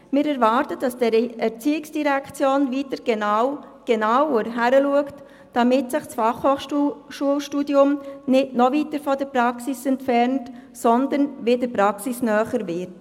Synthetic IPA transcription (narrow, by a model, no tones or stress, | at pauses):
mɪːɾɛɾʋɑːɾtəd̥ɑsd̥ɛɾɛɾt͡siːɪksd̥iɾækʰt͡sjoːnvitəɾɡ̥enɑwɡ̥eɛnɑwoɾɦæɾəluəkt | d̥ɑmɪtsɪχsfɑχhoːχʃuəlʃtudjʊmnɪdnɔvitəɾfɔdəɾpɾɑksisɛntfɛɾntsɔnd̪ənʋedəpɾɑksisnœːχəɾvɪɾt